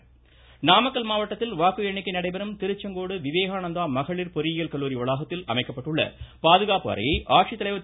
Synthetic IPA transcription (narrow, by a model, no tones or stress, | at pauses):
naːmɐkːɐlmaːʋɐʈːɐt̪ːɪlʋaːkɯɛɳːɪkːɐnɐɽɐɪbɐɾɯmt̪ɪɾɯt͡ʃːɐŋɡoːɽɯʋɪʋeːɣaːnɐnd̪aːmɐɣɐɭɪɾpɔɾɪjɪjɐlkɐlːuːɾiʋɐɭaːɣɐt̪ːɪlɐ̰mɐɪkːɐpːɐʈːɯɭːɐ̰paːðɯɣaːpɯɐ̰ːɾɐ̰jɐɪʔaːʈʂit̪ːɐlɐɪʋɐ